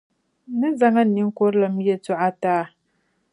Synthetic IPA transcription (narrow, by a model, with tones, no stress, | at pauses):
nɨ˦za˨ŋa˦nːi˦ŋ˦ko˦ɾla˨m˦je˨tu˦ʔa˦taː˦